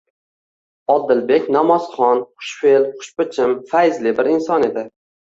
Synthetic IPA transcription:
ɒd̪ːɪlbekʲnamɒzχɒnχʊ̥ʃfelχʊ̥ʃpɪt͡ʃʰɪmfajzlɪbɪɾɪnsɒne̞d̪ɪ

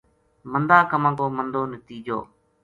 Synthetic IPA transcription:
mənd̪aːkəmãːkoːmənd̪oːnət̪iːd͡ʒo̰ː

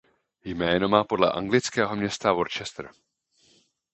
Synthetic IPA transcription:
jmɛːno̞maːpo̞dlɛ̰ʔa̰ŋɡlɪt͡skɛːɦo̞mɲɛst̪avo̞ɾt͡ʃɛst̪ɾ̩

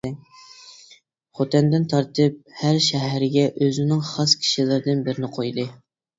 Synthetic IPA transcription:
χot̪ʰɛnd̪ɪnt̪ʰɑɾt̪ʰɨp̚hæɾʃɛɦæɾɪɡʲɛʔøzɪnɪŋχɑskʲʰi̥ʃilˠɨɾd̪ɨnbɪɾɪnɪqʰojd̪ɨ

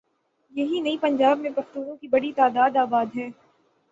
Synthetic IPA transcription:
jɐɦinɐipɐ̃ɲd͡ʒaːbmẽbɐft̪uːɣõkibɐɽit̪aːd̪aːd̪aːbaːd̪ɦɛ̃ː

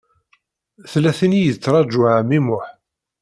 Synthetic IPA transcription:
θlːæθinijət͡sːɾˤɑd͡ʒuʕʕəmimʊħ

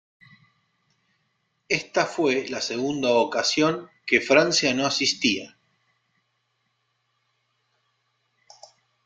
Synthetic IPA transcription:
est̪afwe̞laseɣund̪aokasjo̞ŋkefɾansjano̞asist̪ia

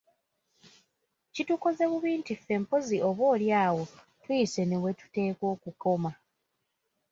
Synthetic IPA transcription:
cituko̞ze̞βuβiːntife̞mpoziʔo̞βwo̞ːljaːwo̞ | tujise̞ne̞we̞tu̥te̞ːko̞ːkuko̞ma

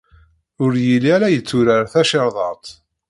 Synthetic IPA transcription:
ʊɾjiliæɾæjət͡sːʊɾəɾθæʃəɾˤðˤɑt̪ˤ

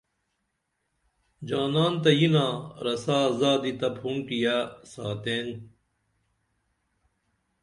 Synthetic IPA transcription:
d͡ʑaːnaːnt̪ɐjinãːɾɐsaːzaːd̪it̪ɐbʰhunʈijasaːt̪eːn

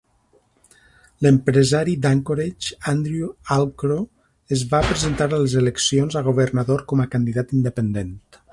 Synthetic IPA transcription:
ləmpɾəzaɾid̪aŋkoɾet͡ʃand̪ɾjualˠkɾo | əzβapɾəzent̪aɾaləzeləksionzaɣ̞uβərnaðoɾkɔməkand̪iðat̪ind̪əpənd̪ent̪

